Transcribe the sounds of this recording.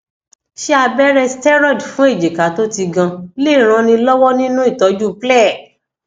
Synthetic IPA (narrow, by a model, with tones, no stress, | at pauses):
ʃe˦a˧bɛ˦ɾɛ˧stɛ˦ɾɔ˦˨dfũ˨˦e˦˨d͡ʒe˨ka˨˦to˦ti˧ɡã˧le˦˨ɾ̃ã˧nĩ˧lɔ˦wɔ˦nĩ˦nũ˦i˦˨tɔ˨˦d͡ʒu˦˨plɛ˦˨